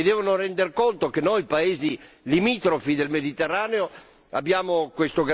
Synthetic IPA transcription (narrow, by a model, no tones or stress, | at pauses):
ed̪ɛːvonorɛnd̪erkont̪okenːojpaeːzilimiːt̪ɾofid̪elmed̪it̪erːaːneo | a̰bːjaːmokwest̪oɡ